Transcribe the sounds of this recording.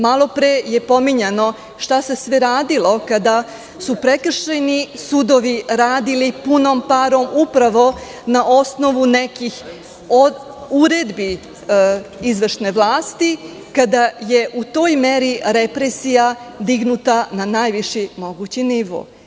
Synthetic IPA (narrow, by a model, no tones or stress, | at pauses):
malˠo̞pɾeje̞po̞miɲeno̞ | ʃt̪ase̞sʋeɾaːd̪ilˠo̞kad̪a | supɾekr̩ʃenisud̪o̞ʋiɾaːd̪ilipunompaɾo̞mupɾaʋo̞ | naʔo̞sno̞ʋunekix | ouɾed̪bi | izʋrʃne̞ʋlˠaːst̪i | kad̪ajeʔut̪o̞ːjmeɾiɾepɾesijad̪iɡnut̪ananaːjʋiʃimo̞ɡut͡ɕiniʋo̰ː